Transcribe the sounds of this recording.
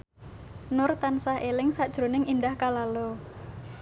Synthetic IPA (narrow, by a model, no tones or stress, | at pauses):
nʊrt̪ansahʔelɪŋsaʔd̥ʒ̥ɾonɪŋindahkalalɔ